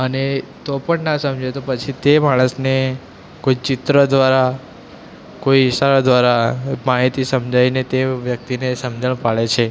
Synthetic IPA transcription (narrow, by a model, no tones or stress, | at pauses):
ənet̪opəɳnasəmd͡ʒet̪opət͡ʃʰit̪emaɽ̃əsne | koit͡ʃɪt̪ɾəd̪ʋaɾa | koiiʃaɾod̪ʋaɾamaɦit̪isəmd͡ʒʱainet̪eʋjək̚t̪inesəmd͡ʒəɳ̃paɭet͡ʃʰe